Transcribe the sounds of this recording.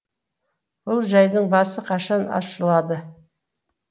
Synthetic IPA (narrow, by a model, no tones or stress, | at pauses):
bʊlˠʒɑjd̪əɴbɑsəqʰɑʃɑnɑ̰ʃəlˠɑd̪ə